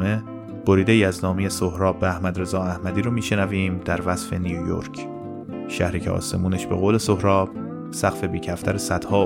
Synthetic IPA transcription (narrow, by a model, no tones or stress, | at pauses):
e | b̥oɾiːd̪eiːæznɒːmejesohɾɒːbːeæhmæd̪ɾe̞zɒːæhmæd̪iːɾomiːʃe̞næviːmd̪æɾvæz̥fe̞nijojo̰ɾcʰ | ʃæ̰hɾiːcʰeʔɒ̰ːse̞̰muːneʃbeɣoːle̞sohɾɒːb̥̚ | sæɣ̥fe̞biːcʰæft̪ʰæɾesæd̪̥hɒː